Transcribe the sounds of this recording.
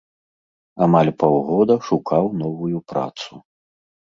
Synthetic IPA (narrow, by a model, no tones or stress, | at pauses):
amalʲpawɣɔd̪ɐʂukawnɔvujupɾa̰t̪su